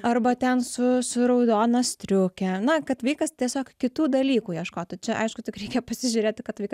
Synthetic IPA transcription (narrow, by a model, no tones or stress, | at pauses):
ɐrbɐt̪ʲɛnsʊsʊɾɐʊd̪oːnɐst̪ʲɾʲʊkʲɛnɐkɐt̪ʋɐɪkɐst̪ʲiɛsʲoːkkʲɪt̪uːd̪ɐlʲiːkuːjiɛʃkoːt̪ʊt͡ʃʲɛʔɐ̰ɪʃkʊt̪ʲɪkɾʲɛɪkʲɛpɐsʲɪʒʲʊɾʲeːt̪ʲɪkɐt̪ʋɐɪk